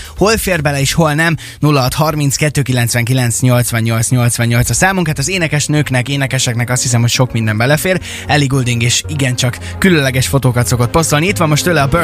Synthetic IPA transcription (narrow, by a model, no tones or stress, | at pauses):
ho̞lfeːrbɛlɛeːʃho̞lnɛm | nulːɒɦɒt̪hɒrmintskɛt̪ːøːkilɛnt̪sʋɛŋkilɛnt̪sɲo̞lt̪sʋɛɲɲo̞lt̪sɲo̞lt̪sʋɛɲːo̞lt̪sɒsaːmuŋkhaːt̪ɒzeːnɛkɛʃnøːknɛkeːnɛkɛʃɛknɛkɒst̪his̬ɛmho̞cʃo̞kmind̪ɛmbɛlɛfeːr | ɛliɡuld̪iŋɡeːʃiɡɛnt͡ʃɒkːylønlɛɡɛʃfo̞t̪oːkɒt̪so̞ko̞t̪̚po̞st̪olniit̪ʋɒmːo̞ʃt̪øːlɛɒbø